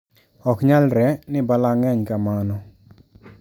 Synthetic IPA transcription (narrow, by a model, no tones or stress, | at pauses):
ɔkɲalɾɛnɪbalaŋɛɲkamanɔ